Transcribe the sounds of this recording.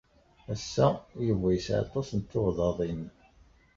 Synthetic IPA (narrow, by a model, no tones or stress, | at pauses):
æsːæjəvːæjsʕɑ̰t̪ˤɑsənt̪ːoʁðɑðˤin